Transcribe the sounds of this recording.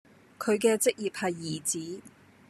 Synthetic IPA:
kʰɵ˨˧ɥkɛː˧t͡sɪ˥k̚jiː˨p̚hɐ˨jːiː˨˩t͡siː˨˥

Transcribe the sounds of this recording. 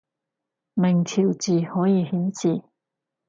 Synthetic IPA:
mɪ˨˩ŋt̪ʰiː˨˩wt͡siː˨hɔː˨˥jiː˧hiː˨˥nsʰiː˨˩

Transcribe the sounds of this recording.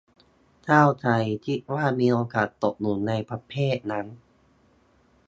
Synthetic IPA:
t͡ɕʰaː˥˩wt͡ɕʰa˧jt͡ɕʰi˦˥t̪̚waː˥˩miː˧ʔoː˧kaː˨˩t̪ːo˨˩p̚nu˩˦nːa˧jpʰa˧˥pʰeː˥˩t̪̚na˦˥n

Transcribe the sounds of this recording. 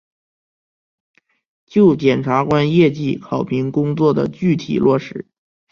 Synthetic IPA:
t͡ɕjo˥˩ʊt͡ɕjɛ˨˩nʈ͡ʂʰa˧˥kwa˥njɛ˥˧t͡ɕi˥˩kʰɑ˨˩ʊpʰi˧˥ŋkʊ˥ŋt͡swɔ˥˩d̪ə̰˩t͡ɕy˥˩t̪ʰḭ˨˩lwɔ˥˩ʂɻ̩˧˥˦

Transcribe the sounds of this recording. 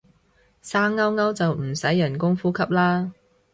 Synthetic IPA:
saː˥ŋːɐ˥wŋɐ˥wt͡sɐ˨wm̩˨˩sɐ˨˥jːɐ˨˩nkʊ˥ŋfuː˥kʰɐ˥p̚laː˥

